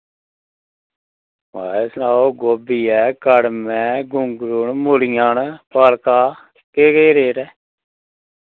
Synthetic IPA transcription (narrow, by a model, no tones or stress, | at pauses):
ma̰ːeːsnaːoːɡoːbiːɛːkəɽmɛ̃ːɡʊŋɡɾʊnmʊlɪjaːnpaːlkaː | keːkeːɾeːɾɛː